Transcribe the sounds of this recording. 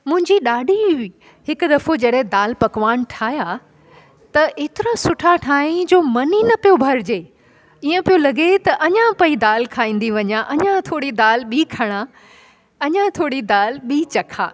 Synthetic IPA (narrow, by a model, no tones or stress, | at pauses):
mʊ̃ɦɪ̃ɲd͡ʑiɗaːɖʱi | ɦɪkʊd̪ɐfod͡ʑɐɗɦẽd̪aːlpɐkʋaːnʈʰaːja | t̪ɐʔeːt̪ɪɾãsʊʈʰaʈʰaːĩd͡ʑoːmɐninɐpijobʱɐɾd͡ʑeː | iːə̃pijolɐɡet̪ɐʔɐɲãpɐid̪aːlkʰaːĩːn̆d̪iʋɐɲaʔɐɲãt̪ʰoːɽid̪aːlɓiːkʰɐɽ̃a | ɐɲãt̪ʰoːɽid̪aːlɓiːt͡ɕɐkʰa̰ː